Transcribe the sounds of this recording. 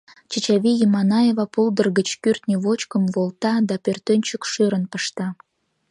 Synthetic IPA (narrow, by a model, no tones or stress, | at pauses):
t͡ɕət͡ɕɑvʲijimɑnɑjevɑpulˠd̪ərɣət͡ɕkyrt̪nʲevot͡ɕkəmvolˠt̪ɑd̪ɑpørt̪ønʲt͡ɕəkʃøɾənpəʃt̪ɑ